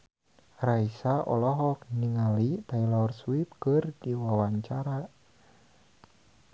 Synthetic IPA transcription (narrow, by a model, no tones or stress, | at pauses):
raisaʔɔ̰lɔɦɔk̚niŋalit̪ailɔrswip̚kɨrdiwawaɲt͡ʃaɾa